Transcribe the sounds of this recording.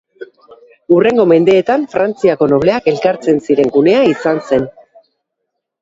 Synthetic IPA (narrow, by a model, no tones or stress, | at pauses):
ure̞ŋɡo̞me̞nd̪e̞ːt̪aɱfɾant͡siako̞no̞β̞le̞ake̞lkaɾt͡se̞nsiɾe̞ŋɡune̞aisanse̞n